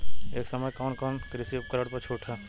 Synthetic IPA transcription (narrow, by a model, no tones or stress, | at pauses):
eːksɐməjkɔːnkɔːnkɾɪsipkəɾəɽpɐɾt͡ʃʰuːʈʰɦɛː